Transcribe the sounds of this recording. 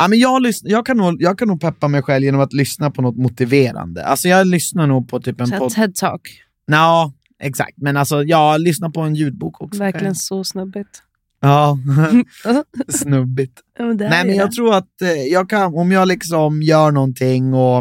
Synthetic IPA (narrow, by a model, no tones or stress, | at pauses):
amɛnjɑːlʏsnjɑːɡ̚kʰanːuːɡjɑːɡ̚kʰanːuːɡ̚pʰɛpːamɛjɧɛlvjeːnɔmat̪lʏsnapʰɔnɔt̪mʊt̪ɪveːɾa̰nd̪ə̰ʔa̰lsɔjɑːlʏsnaɳuːɡ̚pʰɔt̪ʰyːpɛnʰɔɛd̪̚t̪ʰɑ̰ːk | ɑː | ʔɛksa̰k̚t̪mɛnalsɔjɑːɡlʏsnaɾpʰɔɛnjʉ̟ːd̪̚buːkʰɔksɔvæɾlɪənsɔsnɵbɪt̪ | ɑː | snɵbːɪt̪ | d̪nɛɪmɛnjɑːɡt̪ʰɾuːɾat̪jɑːɡ̚kʰanɔmjɑːɡlɪksɔmjœːɳɔnt̪ʰɪŋːɔ